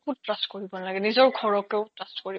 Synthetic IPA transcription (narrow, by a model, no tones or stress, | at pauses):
utɹastkoɹibɔnalaɡɛnizɔɹɡʱɔɹɔkɛʊtɹastkoɹi